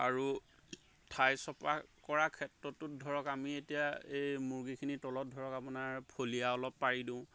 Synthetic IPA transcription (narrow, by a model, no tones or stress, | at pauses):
a̰ɹu | tʰajsɔpakɔɹakʰɛtːɹɔtːʊt̚dʱɔɹɔkamietijaejmuɹɡikʰinitɔlɔt̚dʱɔɹɔkapʊnaɹpʰolijaɔlɔpːaɹidĩʊ̃